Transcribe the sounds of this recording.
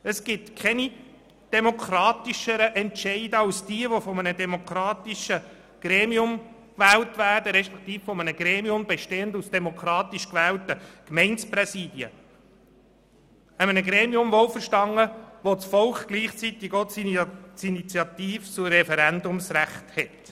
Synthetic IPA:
əsɡ̥ɪtkʰχɛni | d̥ɛmokʰɾɑːt̪iʃəɾəʔɛntʃɛɪdəɑsd̥iəʋofɔmənədɛmokʰɾɑːt̪iʃə | ɡ̥ɾeːmiʊm | kʋæːltʋæːrdəɾɛʃpɛ̥kt̪iːffɔmənəɡ̥ɾeːmiʊmbeʃteːəndusd̥ɛmokʰɾɑːt̪iʃkʋɛːltəkmɛɪnsprɛsiːdjə̰ | əmənəɡɾeːmiʊmvolfəʃtɑŋːəʋot͡sfɔlkɡ̥liːχt͡sitɪɡot͡st͡sinit͡sjɑt̪iːft͡sʊɾɛfɛɾændʊmsræχthɛt

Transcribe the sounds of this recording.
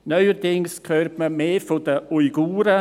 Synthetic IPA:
nœʏəɾdɪŋskʰøːrtməmeːfodəuiɡuːɾə

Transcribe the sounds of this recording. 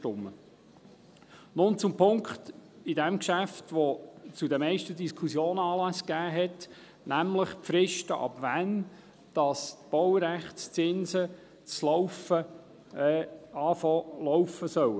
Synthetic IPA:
ʃtʊmːə | nʊnt͡sʊmpʰʊŋkχt | idɛmkʃæftʋɔt͡sudəmɛɪʃtədiskʰχusjoːnəɑːlæskæːɦɛt | næmləχpfɾɪʃtəʔɑ̰bvæn | d̥ɑstb̥ɔwəɾæχtst͡sɪnsə | t͡slɔfə | ɑːflɔwfəsœw

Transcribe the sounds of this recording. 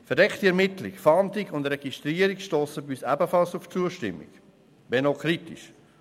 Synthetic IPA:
fɛɐdɛkχtiɛɾmɪtlɪkfɑntikʊndɾɛɡ̥istɾiːəɾikʃtoːsəbysæbəfɑlsuft͡suəʃtɪ̰mːḭk | vɛnokʰɾitḭʃ

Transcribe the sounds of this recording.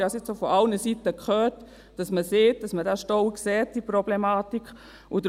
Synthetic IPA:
hɑsɪsofɔʔɑlnəsitəkχœːt | d̥ɑsməseːt̚d̥ɑsmədaʃtɔwksɛːt̚d̥ipɾɔblemɑːtikʰ | ʊdəɾ

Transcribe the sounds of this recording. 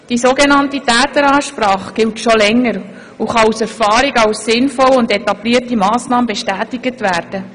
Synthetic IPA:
d̥isoɡenɑntitæːtəɾɑːʃpɾɑːχɡ̥ɪltʃɔlɛŋːəɾ | uχɑusɛɾfɑːɾiɡɑwsːɪnfɔlʊndɛtɑbliətimɑːsnɑːməbɛʃtæːtɪɡ̥ətʋæːrd̥ə

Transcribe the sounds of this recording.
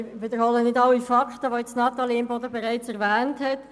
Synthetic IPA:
ʋɪdəɾhɔlənɪdɑlːifɑkt̪əʋojɛt͡snɑt̪ɑliɪmbɔdəbɛʁaɪt͡sɛʁʋɛːnthɛt

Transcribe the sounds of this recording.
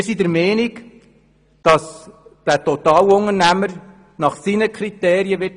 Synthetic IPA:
ɾsidəɾmɛːniɡ | d̥ɑsd̥ætɔtɑːlʊŋəɾnæməɾ | nɑχsinəkʰɾiteːɾijəʋɪt

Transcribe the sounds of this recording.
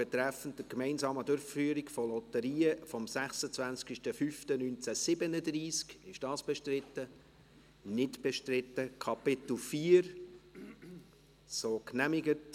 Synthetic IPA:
b̥ɛt̪ɾæfən̩tdəkmɛɪnsɑːmədʊɾffyːəɾɪkfɔlɔtəɾiːəfɔmsæχsət͡svænt͡skiʃtəfyftənynt͡sæsɪbənədriːskɪʃd̥ɑːsb̥ɛʃtrɪtːə | nɪtb̥ɛʃtrɪtːəkʰɑpɪtl̩fiːəɾ | soːknæmɪɡət

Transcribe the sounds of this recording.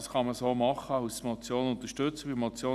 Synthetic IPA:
sχɑməsoːmɑχəɑʊsmɔt͡sjoːnʊnt̪əʃtʏt͡səʋimɔt͡sjoː

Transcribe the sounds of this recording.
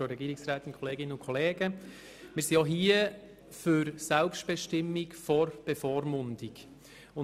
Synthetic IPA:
oɾɛɡiːɾɪiksɾaːtɪnkʰɔleːɡɪnənʊnkʰɔleːɡə | mɪːɾsijɑɦiə | fʏɾsɛlpʃt̚b̥ɛʃtɪmːikfɔɾb̥ɛfɔːɾmʊnd̥ɪk | ʊ

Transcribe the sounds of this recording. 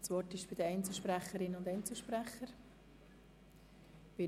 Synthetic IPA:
svɔɾtɪʃb̥ɪdəɛɪnt͡sl̩ˠʃpɾæχəɾɪnʊndɛɪnt͡sl̩ʃpɾæχəɾ | b̥ɪ

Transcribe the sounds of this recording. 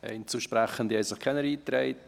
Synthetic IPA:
ɛ̰ɪnt͡suːʃpɾɛχəndiɛɪsəχkʰɛnəɾiːtɾeɪt̚

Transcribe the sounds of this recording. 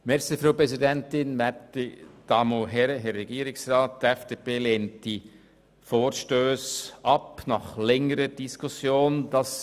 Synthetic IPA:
mɛɾsifɾaːpɾɛzidɛntɪnmɛtid̥ɑːmoɦɛɾəɦɛɾːɛɡiːɾɪksɾɑːt̚d̥əɛfd̥eːpeːleːntd̥i | foːɾʃtøːsʔɑpnɑχlɛŋəɾəd̥iskʰusjoːnd̥ɑs

